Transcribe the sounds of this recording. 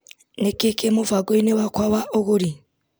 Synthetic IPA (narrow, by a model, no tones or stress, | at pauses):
nekekemovaɡoinewakwawaʔoɣoɾi